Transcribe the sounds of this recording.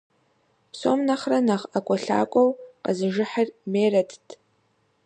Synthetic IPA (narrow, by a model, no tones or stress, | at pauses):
pso̰mnaχranaχakʷʼaɬa̰kʷʼowqʼazɨʒɪħarmeːradʰtʼ